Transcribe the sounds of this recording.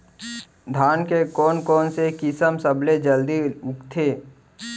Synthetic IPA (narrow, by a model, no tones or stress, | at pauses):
d̪ʱaːnkekɔːnkɔːnsekɪsəmsəbled͡ʒəld̪iʊkt̪ʰeː